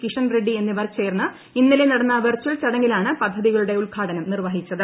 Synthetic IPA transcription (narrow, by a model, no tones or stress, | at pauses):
kiʂɐnreɖːie̞nːiʋɐrt͡ɕːe̞ːrnːɐ | inːilenɐɽɐnːɐʋɐrt͡ɕːult͡ɕɐɽɐŋːilaːɳɨpɐd̪ʱːɐðiɣɐɭuɽe̞uɭkʰaːʈɐnɐmnirʋɐɦit͡ɕːɐðɨ